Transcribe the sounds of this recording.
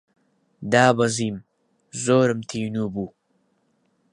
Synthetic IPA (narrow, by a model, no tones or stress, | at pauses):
d̪ɑːbazim | zoːɾəmt̪ʰinubuː